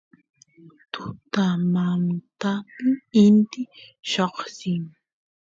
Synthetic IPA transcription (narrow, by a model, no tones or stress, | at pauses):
t̪ʊt̪amamt̪amɪɪnt̪ɪʃoχsɪŋ